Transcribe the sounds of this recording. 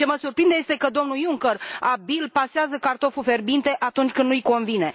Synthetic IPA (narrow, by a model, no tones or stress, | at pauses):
t͡ʃe̞məsurpɾind̪e̞je̞st̪ekəd̪o̞mnujuŋkərabilpaseazəkart̪o̞fufe̞rbint̪e̞ʔat̪unt͡ʃʲkɨnd̪nujko̞nvine̞